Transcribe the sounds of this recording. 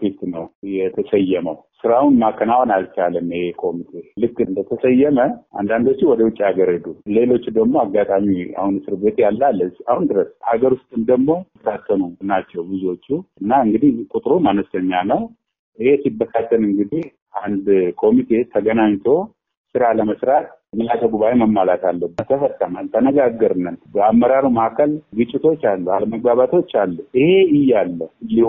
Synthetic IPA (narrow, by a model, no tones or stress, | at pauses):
fist̪nəwjɛt̪ʰəsəjːɛməwsɨɾawunmakʰːənawanalt͡ʃalənːhekʰo̞mit̪ʰe̞lɨkːɨnd̪ət̪ʰəsəjːɛməʔa̰nd̪and̪o̞t͡ʃːiwɔd̪əwʊt͡ʃʼːiaɡəɾhɨd̪ule̞lo̞t͡ʃːud̪əɡmo̞aɡːat̪ʼamia̰hunɨsɨɾbe̞t̪jalːalːəsahund̪ɨɾəshaɡəɾwʊst̪ʼɨmd̪əɡmo̞ | t̪ʰat̪ʰːənunat͡ʃːɛwbɨzuo̞t͡ʃːuɨnːaɨŋɡɨd̪ihkʼut̪ʼɾumanəst̪ʰəɲːanəw | ʔɨhe̞sibːəkʰat̪ʰːənɨŋɡɨd̪ih | ʔand̪kʰo̞mit̪ʰe̞t̪ʰəɡənaɲt̪ʰo̞ | sɨɾaləməsɾat̪̚ | mɨlat̪ʰəɡuβajeməmːalat̪ʰalːəbːət̪ʰəfəsʼəmənt̪ʰənəɡaɡːəɾɨnːənbəamːəɾaɾimaakʰəlɡɨt͡ʃʼːɪt̪ʰo̞t͡ʃːalːualəməɡ̚baβat̪ʰo̞t͡ʃːalːuɨhe̞ɨjːalːəlːi